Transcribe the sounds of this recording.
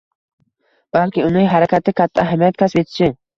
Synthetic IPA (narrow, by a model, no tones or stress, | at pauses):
b̥alkʲɪʊnɪŋɦaɾakʲʰat̪ɪkʲʰat̪ʰːaaɦamijat̪̚kʰaspet̪ʰɪ̥t͡ʃʰɪ